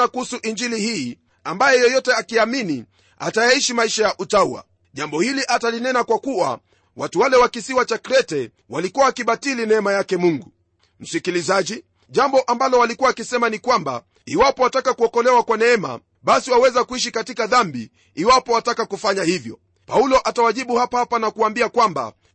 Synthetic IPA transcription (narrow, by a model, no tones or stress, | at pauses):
akuhusuʔiɲd͡ʒilihiː | ambajɛjɔjɔtɛakiamini | a̰tajaiʃimaiʃajaʔutauwa̰ | ʄambɔhiliʔatalinɛnakwakuwa̰ | watuwalɛwakisiwat͡ʃakɾɛtɛ | walikuwaːkiɓatilinɛɛmajakɛmuŋɡu | m̩sikilizaʄi | ʄambɔʔambalɔwalikuwaːkisɛmanikwamba̰ | iwapɔatakakuɔkɔlɛwakwanɛɛma̰ | ɓasiwawɛzakuiʃ̬ikatikaðambi | iwapɔatakakufaɲahivjɔ̰ | paulɔʔatawaʄiɓuhapahapanakuaːmbiakwamba̰